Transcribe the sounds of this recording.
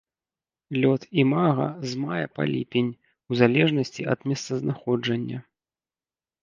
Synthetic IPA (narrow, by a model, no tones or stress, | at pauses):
lʲɔt̪imaɣɐ̰zmajɛpa̰lʲḭpʲenʲ | uzalʲɛʐnɐsʲt͡sʲiʔɐd̪mʲɛst̪sɐznaxɔd͡ʐɐnʲːɐ